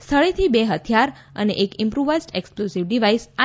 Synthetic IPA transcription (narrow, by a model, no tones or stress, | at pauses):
st̪ʰəɭet̪ʰibeɦət̪ʰijaɾə̰neʔekɪmpɾuʋəsʈeksklusiʋɖiʋaisa